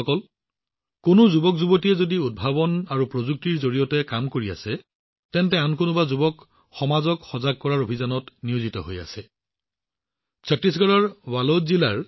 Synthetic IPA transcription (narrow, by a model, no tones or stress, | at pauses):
ɔkɔl | kʊnʊzubɔk̚zubotijɛzodiud̚bʱabɔnaɹupɹozuk̚tiɹzoɹijɔtɛkamkoɹia̰sɛ | tɛntɛankʊnʊbazubɔk | xɔmazɔkxɔzaɡ̚kɔɹaɹobʱizanɔtniuzitɔɦoja̰sɛ | sʰɔtɹis̬ɡaɹɔɹwalozilaɹ